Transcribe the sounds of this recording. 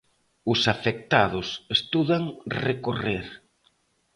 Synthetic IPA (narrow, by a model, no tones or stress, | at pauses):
ʊsafek̚t̪aðʊsest̪uðaŋrekoreɾ